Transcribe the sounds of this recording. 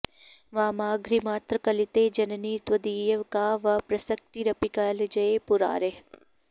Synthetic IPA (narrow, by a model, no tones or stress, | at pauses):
ʋaːmaːɡɾimaːt̪ɾəkɐlɪt̪eːd͡ʒɐnɐniːt̪ʋɐd̪iːjɐʋkaːʋɐpɾɐsək̚t̪iɾɐpikaːled͡ʒɐepʊɾa̰ːɾe